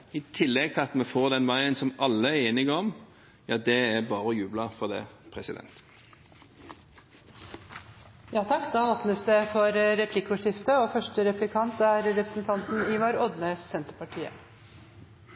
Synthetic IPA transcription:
ɪt̪ʰɪlːɛɡ̚t̪ʰɪɑt̪mɛfoːʁd̪ɛnʋæɪənsɔmʔɑlːəeːnɪɡəɔm | jɑːd̪ɛæbɑːʁəjʉːblɑfɔʁd̪ɛ̰pʰʁɛsɪd̪ɛ̰nt̪ | jɑːt̪ʰɑkːd̪ɑːoːpnəsd̪ɛfɔɾɾɛpʰlɪkːʊʂɪft̪əoːfœʂʈəɾɛplɪkʰɑnt̪æɾɾɛpɾəsn̩t̪ʰɑnt̪n̩ɪʋɑːɾɔd̪nəsːɛnt̪əɾpɑʈʰiːə̰

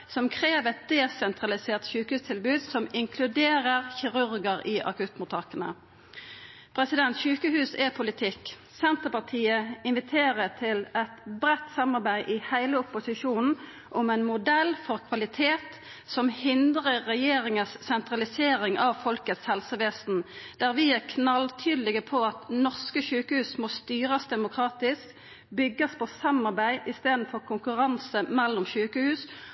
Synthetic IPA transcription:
sɔmkʰʁeːʋɛt̪̚d̪ɛsɛnt̪ʁɑlɪseːʁt̪ɕʉːkəhʉːst̪ʰɪlbʉːd̪sɔmɪŋkʰlʉd̪eːʁəʁçɪʁʉʁɡəʁɪʔɑ̰kʉt̪mʊt̪ʰɑkənə̰ | pʰɾʁɛsɪd̪ɛnt̪ʃʉːkəhʉːsɛpʰʊlɪt̪ʰɪk | sɛnt̪əpɑʁt̪ʰiːəɪnʋɪt̪ʰeːʁət̪ʰɪlɛt̪bɾɛt̪sɑmɑʁbæɪʔɪhæɪləʊpːʊsɪʃuːnn̩ | ʔɔmɛɪnmʊd̪ɛlfɔʁkʰʋɑlɪt̪ʰeːt̪ | sɔmhɪnd̪ʁəːɛjeːɾɪŋəsːɛnt̪ʁɑlɪseːɾɪŋʔɑʋfɔlkət̪shɛlsəʋeːsn̩d̪̥æʁʋɪæʁkʰnɑlt̪ʰyːd̪lɪɡəpʰɔɑt̪nɔʁskəʃʉːkəhʉːsmost̪yːʁəsd̪ɛmʊkʰʁɑːt̪ɪsk | bʏɡːəspʰɔsɑmɑʁbæɪʔɪst̪eːd̪n̩fɔʁkʰʊŋkʉʁɑnsəmɛlːʊmʃʉːkəhʉːs

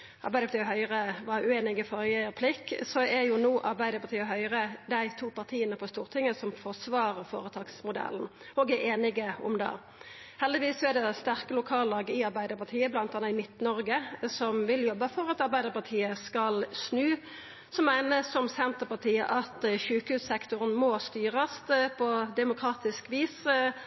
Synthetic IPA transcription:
ʔɑɾbæɪdəpʰɑt̪iːəɦœʏʁəʋɑʉeːnɪɡəfɔɾjɛəpʰlɪkːsɔʔæjʊnuːʔɑɾbæɪd̪əɾpɑɾt̪iːəɦœʏʁəd̪æɪt̪ʰuːpɑʁt̪ʰiːənəpʰɔst̪uːʁt̪ʰɪŋːəsɔmfɔsʋɑːɾəʁfo̰ːɾət̪ʰɑːɡsmʊd̪ɛ̰ln̩ | oːɡæʔeːnɪɡəɔ̰md̪ɑ̰ː | hɛld̪ɪʋiːsːɔæd̪ɛst̪æʁkəlʊkʰɑːllɑːɡɪɑɾbæɪd̪əɾpɑʁt̪ʰiːəblɑnt̪ɑnːɑɪmɪt̪nɔɾɡəsɔmʋɪljɔbːəfɔʁɑt̪ɑɾbæɪd̪əpɑʁt̪ʰiːəskɑlsnʉː | sɔmːæɪnəsɔmsɛnt̪əʁpɑʁt̪ʰiːə̰ʔɑt̪çʉːkəhʉːssɛkt̪ʊʁənmoːst̪yːʁɑst̪pʰɔd̪ɛmʊkʰʁɑːt̪ɪskʋiːs

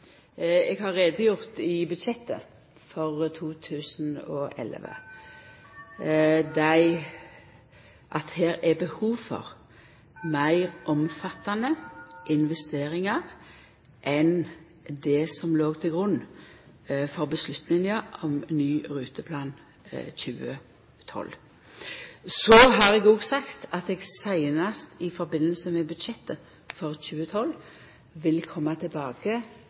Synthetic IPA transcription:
ɛɡhɑʁːeːd̪əjʊʁt̪ɪbʉd̪ʃɛt̪ːə̰ | fɔʁt̪ʰuːt̪ʰʉːsnɔ̰ːʔɛ̰lʋə̰ | d̪æɪ | ʔɑt̪heːɾæbəhuːʋfɔ̰ʁ | mæɪʁʔɔmfɑt̪ːɑnəʔɪnʋɛst̪eːʁɪŋɑʁ | ʔɛn | d̪ɛsɔmloːɡt̪ʰɪlɡʁʉnː | fɔʁbəslʉt̪nɪŋɑʔɔmnyːʁʉːt̪əpʰlɑːn | çʉːə̰ | t̪ʰɔ̰l | sɔɦɑʁɛɡoːɡsɑkt̪ɑt̪ɛːɡsæɪnɑst̪ʰɪfɔɾbɪnːəlsəmɛbʉd̪ʃɛt̪ːə | fɔʁçʉːət̪ʰɔl | ʋɪlkʰɔmːɑt̪ʰɪlbɑːɡə

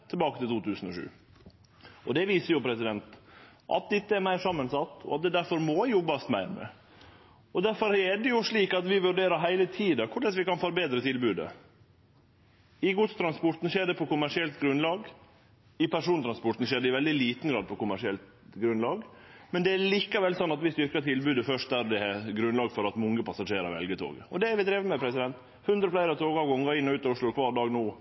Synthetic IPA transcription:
t̪ʰɛlbɑːkət̪ɪlt̪uːt̪ʰʉːsən̩ɔ̰ʂʉ̰ː | ɔd̪ɛʋiːsəɾjʊpʰɾɛsɪd̪ɛnt̪ | ʔɑ̰t̪̚d̪ɪt̪ːəæɾmæɪɾʂsɑmːənsɑt̪ːɔ̰ɑt̪̚d̪ɛd̪æɾfɔɾmɔjɔbːɑst̪mæ̰ɪɾmə̰ | ɔd̪æɾfɔɾɛɖɛjʊʂɭiːkɑt̪ʋɪʋʉɖeːɾəɾɦæɪlət̪ʰiːd̪ɑkʰʊɖɛt̪ʋɪkɑnfɔɾbeːd̪ɾət̪ʰɪlbʉːd̪ə̰ | ɪɡʊt̪st̪ʰɾɑnspɔʈ̪n̩ʂeːɖɛpʰɔkʊmæʂɪɛlt̪ɡɾʉnlɑːɡ | ɪpʰæʂuːnt̪ʰɾɑnspɔʈ̪n̩ʃeːɖɛɪʋɛld̪ɪliːt̪n̩ɡɾɑːd̪̚pʰɔkʊmæʂɪɛlt̪ | ɡɾʉnlɑːɡmɛnd̪ɛæliːkɑʋɛlsɔnːɑt̪ʋɪst̪ʏɾkət̪ʰɪlbʉːd̪əfœʂt̚d̪æɾd̪ɛɛɡɾʉnlɑːɡfɔɾɑt̪mɔŋːəpʰɑsɑʂeːɾɑ̰ɾɛ̰lɡət̪ʰo̰ːɡə̰ɔ̰d̪ɛæɾʋɪt̪ʰɾeːʋəmɛpʰɾɛsɪd̪ɛnt̪ | hʉnd̪ɾəflæɪɾəɑt̪ʰoːɡɑʋɡɔŋːɑɪnːɔʉːt̪ɔʊʂɭʊkʰʋɑːɾɖɑːɡnoː

